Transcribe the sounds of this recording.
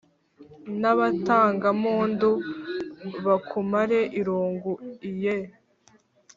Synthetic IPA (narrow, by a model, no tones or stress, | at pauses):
naβataːŋɡamuːndu | βakʰumaɾeʔiɾuːŋɡuije